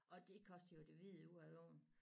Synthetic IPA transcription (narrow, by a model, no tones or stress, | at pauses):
ʔɒ̽d̥e̝kʰɒ̽sd̥ɐjo̝d̥e̝ʋið̩ˠuæo̰ːn̩